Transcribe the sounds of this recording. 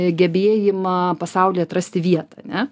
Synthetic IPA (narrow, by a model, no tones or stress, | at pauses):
ɡʲɛbʲeːjɪmɐpɐsɐʊlʲeːɐt̪ɾɐsʲt̪ʲɪʋʲiɛt̪ɐɐnʲɛ